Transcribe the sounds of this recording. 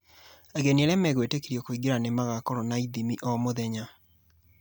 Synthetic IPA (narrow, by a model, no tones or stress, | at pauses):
aɣenieɾɛmɛɣwetekiɾjɔkoiɡeɾanemaɣakɔɾɔnaiðimiʔɔmoðɛɲa